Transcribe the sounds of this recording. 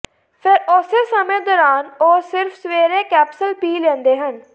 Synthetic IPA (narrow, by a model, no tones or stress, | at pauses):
pʰɪɾoːsesəmẽːd̪ɔːɾaːnoːsɪɾfsʋeːɾẽːkɛːpsəlpiːlɛ̃ːnd̪eːɦən